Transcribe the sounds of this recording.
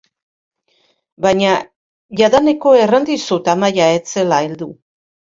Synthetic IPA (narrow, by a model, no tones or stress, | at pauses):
baɲa | ʝaðaneko̞e̞rand̪isut̪amajae̞t͡se̞laeld̪u